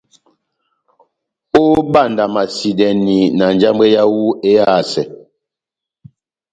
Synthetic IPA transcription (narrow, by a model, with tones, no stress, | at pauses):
o˦ba˦˨nda˨ma˨si˨dɛ˨ni˨na˨n˦d͡ʒa˦m˦ɛ˦ja˦wu˦e˦a˦˨sɛ˨